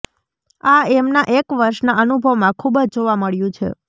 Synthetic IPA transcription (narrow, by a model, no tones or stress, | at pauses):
aemnaʔekʋəɾʃnaənubʱəʋmãkʰubd͡ʒd͡ʒoʋaməɭjũt͡ʃʰḛ